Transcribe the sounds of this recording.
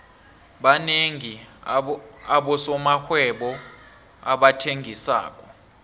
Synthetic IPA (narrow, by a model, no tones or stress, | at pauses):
ɓaneŋi | aɓɔsɔmaxwɛɓɔ | aɓatʰeŋɡʱisa̰ːk̬ʼɔ